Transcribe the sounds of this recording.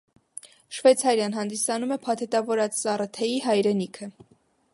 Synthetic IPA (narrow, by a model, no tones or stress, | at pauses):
ʃvɛt͡sʰɑɾjɑnɦɑnd̪isɑnumɛpʰɑt̪ʰɛt̪ɑvɔɾɑt͡ssɑrət̪ʰɛjiɦɑjɾɛnikʰə